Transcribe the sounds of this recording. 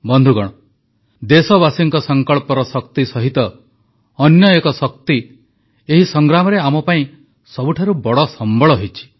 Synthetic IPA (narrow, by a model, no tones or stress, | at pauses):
bɔnd̪ʱuɡɔɽ̃ɔ | d̪esɔbasiŋkɔsɔŋkɔɭpɔɾɔsɔkt̪isɔɦit̪ɔː | njɔekɔsɔk̚t̪i | eɦisɔŋɡɾamɔɾeamɔpaĩ | sɔbuʈʰaɾubɔɽɔsɔmbɔɭɔɦejt͡ʃʰi̥